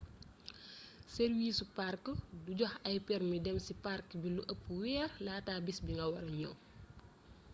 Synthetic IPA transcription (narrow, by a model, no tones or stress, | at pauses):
serwiːsuparkduɟɔxɐjpɛrmidɛmsiparkbiluʔəpːuwɛːrlaːtaːbisbiŋɡɐwɐɾɐɲɔ̰